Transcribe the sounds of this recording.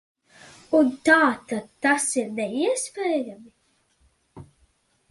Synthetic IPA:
unt̪aːt̪ad̪̚t̪ːasiɾnɛiɛspʲeːjami

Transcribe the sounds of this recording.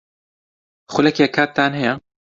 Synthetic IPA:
xʊlɛkɛkʰaːt̪̚ːaːnɦɛja

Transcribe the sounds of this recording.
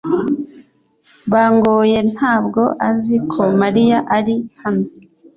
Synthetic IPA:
βaːŋɡoːje̞n̥haːbɡo̞ʔazikʰo̞maɾijaʔaɾihano

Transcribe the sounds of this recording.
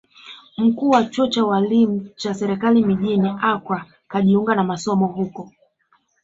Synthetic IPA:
m̩kuːwat͡ʃɔt͡ʃawalim̩t͡ʃasɛɾɛkalimiʄiniʔakwa | kaʄiuŋɡanamasɔmɔɦukɔ

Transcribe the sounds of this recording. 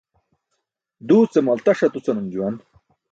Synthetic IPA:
d̪uːt͡semɐlt̪ɐʂɐt̪ut͡sɐnɐmd͡ʑuwɐn

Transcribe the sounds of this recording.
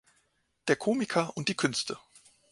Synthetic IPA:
d̥eːɐkʰoːmɪkʰɐʔʊnt̚d̥iːkʰʏnstʰə

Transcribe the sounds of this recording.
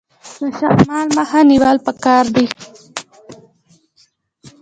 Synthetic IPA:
d̪əʃakmɑlmahaniwɑːlpəkɑɾd̪i

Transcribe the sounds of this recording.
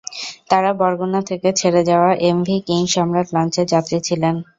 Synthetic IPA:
t̪aɾabɔɾɡonat̪ʰeket͡ɕʰeɾed͡ʑaoaʔemvʱikiŋʃɔmɾat̪lant͡ɕeɾd͡ʑat̪ɾit͡ɕʰilen

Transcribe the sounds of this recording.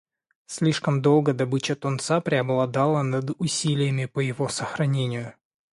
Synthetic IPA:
sʲlʲiʂkəmd̪o̞lˠɡəd̪ɐbɨt͡ɕət̪ʊnt̪sapɾʲɪɐblˠɐd̪alˠənɐd̪ʊsʲilʲɪjəmʲɪpəjɪvosəxɾɐnʲenʲɪjʊ

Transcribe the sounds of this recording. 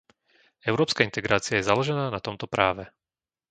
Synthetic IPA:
ɛʊɾɔːpskaint̪ɛɡɾaːt͡sɪajɛzalɔʒɛnaːnat̪ɔmt̪ɔpɾʔaːʋɛ

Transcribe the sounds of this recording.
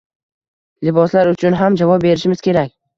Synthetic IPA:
lɪbɒslaɾʊt͡ʃʰʊnɦamd͡ʒavɒp̚be̞ɾɪʃɪmɪz̥kʲʰe̞ɾakʲ

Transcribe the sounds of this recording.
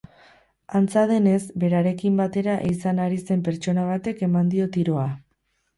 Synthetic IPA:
ant͡sað̞e̞ne̞zbe̞ɾaɾe̞kimbat̪e̞ɾaʔisanaɾise̞mpe̞ɾt͡ʃo̞naβ̞at̪e̞ke̞mand̪io̞t̪iɾo̞a

